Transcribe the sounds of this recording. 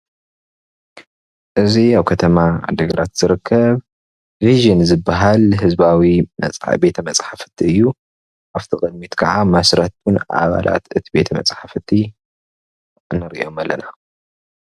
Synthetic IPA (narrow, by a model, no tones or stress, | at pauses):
ʔɨziaβkʰɐt̪ʰɐmaʕa̰d̪ɐɡɐɾat̪z̥ɨɾɨkʰːɐβ | viʒɨnzɨbːaɦalɦɨzbawimɐ̰t͡sʼbe̞t̪ʰɐmɐt͡sʼħafɨ̥t̪ʰːiɨjːu | ʔaft̪ʰikʼɐd̪̚mit̪kʰɐʕamasɾɐt̪unʔa̰βa̰lʔa̰t̪ɨt̪ʰibe̞t̪ʰɐmɐ̰t͡sʼħafɨt̪ʰːi | nɨɾʔḭo̞malːɐna